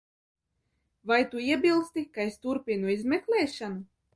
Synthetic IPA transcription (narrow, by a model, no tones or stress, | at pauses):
vajt̪uiɛbʲilˠst̪ikaest̪uɾpʲinuizmeklʲˠɛːʃanu